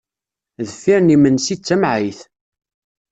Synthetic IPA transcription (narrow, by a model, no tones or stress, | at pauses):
ðəfːiɾnimənsit͡sːæmʕiθ